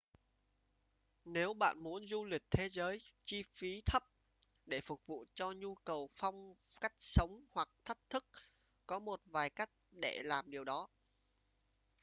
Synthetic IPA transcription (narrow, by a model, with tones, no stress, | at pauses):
ne˨˦wɓa̰ː˧˨nmu˨˦ənzu˧lï˨˩k̟̚t̪ʰe˨˦zəː˨˦jt͡ɕi˧fi˨˦t̪ʰə˦˥p̚ | ɗe˧˩fʊ˨˩k̚vṵ˧˨t͡ɕɔ˧ɲu˧kə˨˩wfa˧wŋ͡mka˦˥jk̟̚sə˨˦wŋ͡mhwa˨˩k̚t̪ʰə˦˥t̚t̪ʰɨ˦˥k̚ | kɔ˨˦mo˨˩t̚vaː˨˩jka˦˥jk̟̚ɗe˧˩laː˨˩mɗi˨˩əwɗɔ˨˦